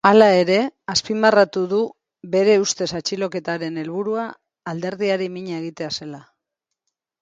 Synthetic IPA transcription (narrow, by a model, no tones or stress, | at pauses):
alae̞ɾe̞aspimarat̪uðu | βe̞ɾe̞ust̪e̞sat͡ʃilo̞ke̞t̪aɾe̞ne̞lβ̞uɾuaː | ld̪e̞ɾðiaɾimiɲae̞ɣ̞it̪e̞ase̞la